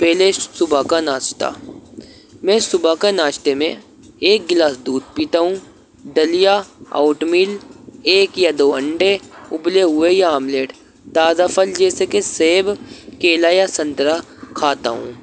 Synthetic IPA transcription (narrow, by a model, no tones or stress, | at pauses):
pɛːlesʊbʱakanaːt͡ʃt̪a̰ | mɛ̃ːsʊbakanaːt͡ʃt̪emẽ | eːk̚ɡɪlaːsd̪uːd̪̚piːt̪aɦũ | d̪ɐlijaa̰ːʊʈmiːleːkjad̪oːə̃ɳɖeʊbleɦʊejaːmleːʈ | t̪aːzafʰəld͡ʒɛːsekeseɦbkeːlaːjasɐ̃nt̪ɾa | kʰaːt̪a̰ɦṵ̃ː